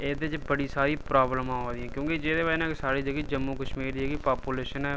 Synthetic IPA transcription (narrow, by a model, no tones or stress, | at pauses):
eːd̪ed͡ʒbəɽisaːɾipɾaːbləmãɦoːd̪iɦɛ̃ːkjõːked͡ʒeːd̪eʋaːnãkesaːɾid͡ʒəɡid͡ʒəmːukəʃmiːɾɦɛːɡipaːpuleːʃənɛ